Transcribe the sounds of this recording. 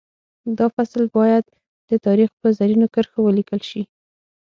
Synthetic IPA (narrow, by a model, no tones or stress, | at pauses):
d̪ɑfaslbɑjad̪̚ | d̪̥ət̪ɑɾixpəzaɾinokəɾxowəlikəlʃi